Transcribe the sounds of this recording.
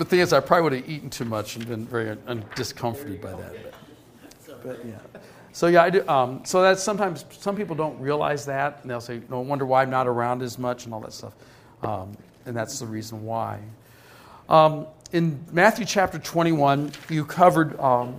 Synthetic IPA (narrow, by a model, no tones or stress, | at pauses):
ðɨθɪ̃ŋɨzaɪpʰɹ̥ɑbliwʌɾɨiʔŋ̩tʰʉmʌt͡ʃn̩bɨ̃nvɛɹiʌ̃nd̥ɨskʰʌ̃ɱfə˞ɾɨd̚baɪðɨ̰t̚b̚ | b̥ʌʔ̚jæ̰ | soʊjæaɪdɨʔʌ̃msoʊðɨtsʌ̃mtʰãɪ̃mz̥sʌ̃mpipl̩ˠdõʊ̃nʔ̚ɹiəla̰ɪzðæt̚n̩ðeɪlˠseɪnoʊwʌ̃ndə˞waɪãɪmnəɾə˞ãʊ̃ndɨzmʌt͡ʃn̩ɔlˠðə̰tstʌ̰f | ʔʌ̃m | ɨ̃nðætsðəɹiz̃n̩waɪ | ʔʌ̃mɨ̃nmæθjʉt͡ʃʰæp̚tə˞tʰw̥ɛ̃ɾ̃iwʌ̃njɨkʰʌvə˞d̚ʌ